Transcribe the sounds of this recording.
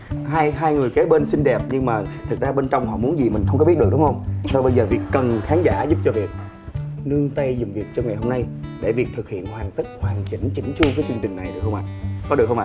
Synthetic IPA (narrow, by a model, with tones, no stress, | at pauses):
ɦaː˧jɦaː˧jŋɨ˨˩əjke˨˦ɓe˧nsï˧ŋ̟ɗɛ˨˩p̚ɲɨ˧ŋmaː˨˩t̪ʰɨ˨˩k̚zaː˧ɓe˧nt͡ɕɔ˧wŋ͡mhɔ̰˧˨mu˨˦ənzi˨˩mï˨˩ŋ̟xə˧ŋ͡mki˦˥t̚ɨ˨˩ɗŋ͡mhə˧wŋ͡msa˧ɓə˧jzəː˨˩vi˨˩ək̚ːə˨˩nxaː˨˦nzaː˧˩zʊ˦˥p̚t͡ɕɔ˧vi˨˩ək̚ | nɨ˧əŋt̪ə˧jzʊ˨˩ŋ͡mvi˨˩ək̚t͡ɕɔ˧ŋa˨˩jɦo˧mna˧jɗe˧˩vi˨˩ək̚t̪ʰɨ˨˩k̚hḭ˧˨ənhwaː˨˩ŋt̪i˦˥k̚hwaː˨˩nt͡ɕḭ˧˩ŋt͡ɕï˧˩ŋ̟t͡ɕu˧kaː˨˦jt͡ɕɨ˧əŋt͡ɕï˨˩ŋ̟na˨˩jɗɨ˨˩ək̚xwŋ͡ma̰ː˧˨kɔ˨˦ɨ˨˩ək̚xə˧wʔa̰ː˧˨